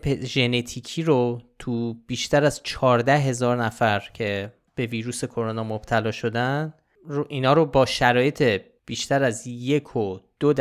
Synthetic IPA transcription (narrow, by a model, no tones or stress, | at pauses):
pʰeʒe̞net̪ʰiːcʰiːɾot̪ʰub̥iːʃt̪æɾæzt͡ʃʰɒːɾd̪æɦe̞zɒːɾnæfæɾcʰe̞ | b̥e̞viːɾuːse̞kʰo̞ɾo̞nɒːmob̥t̪ʰælɒːʃo̞d̪æn | ʔiːnɒːɾobɒːʃæɾɒːje̞t̪ʰe̞ | b̥iːʃt̪æɾæzje̞kʰod̪̥od̪